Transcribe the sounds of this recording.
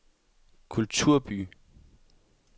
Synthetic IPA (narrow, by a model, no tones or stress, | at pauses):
kʰult͡sʰuɐ̰b̥y̰